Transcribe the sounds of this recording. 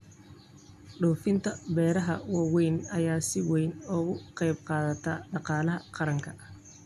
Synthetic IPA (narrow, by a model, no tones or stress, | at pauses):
ɖɔːfɪnt̪ʰɐbɛːɾɐɦɐ̰wɑːwɛjnɐjaːsɪwɛjnɔːɣʊqɑjbqɑːðɐt̪ʰɐːɖɑqɑːlɐɦɐqɑɾɐŋkʰɐ